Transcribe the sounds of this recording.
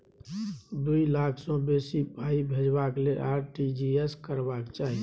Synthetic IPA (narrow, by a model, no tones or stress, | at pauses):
d̪uilakʰsɔ̃besibʱaibʱed͡ʒbaklelʔaɾʈid͡ʒieskəɾbakt͡ʃaːɦi